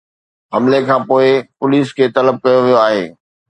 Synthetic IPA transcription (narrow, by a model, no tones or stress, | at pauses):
ɦɐmlekʰãːpoːɪpʊliːskʰeːt̪ɐləb̚kɐjoʋijoaːɦeː